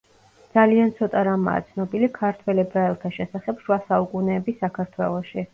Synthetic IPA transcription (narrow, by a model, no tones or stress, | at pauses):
d̪z̥aliant̪sʰɔt̪ʼaɾama̰ːt̪sʰnɔbilikʰaɾt̪ʰwɛlɛbɾaɛlˠt̪ʰaʃɛsaχɛpʃwasaukʼunɛːbisakʰaɾt̪ʰwɛlˠɔʃi